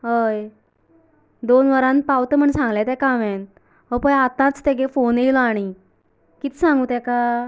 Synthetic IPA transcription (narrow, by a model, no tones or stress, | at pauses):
ɦəj | d̪onʋəɾãnpawt̪əm̤əɳsãŋɡlɛt̪ɛ̃kaʋɛn | ɦəpəjat̪ãt͡st̪eɡefonejlɔaɽ̃i | kit̪sãŋɡut̪ɛ̃ka